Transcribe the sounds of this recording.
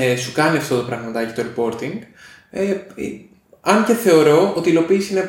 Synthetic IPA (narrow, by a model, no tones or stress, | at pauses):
sukɐniɐft̪o̞t̪opɾɐɣmɐt̪ɐci̥t̪oɾipo̞ɾt̪iŋɡ | e | ɐnce̞θe̞o̞ɾo̞ot̪ilo̞piːsine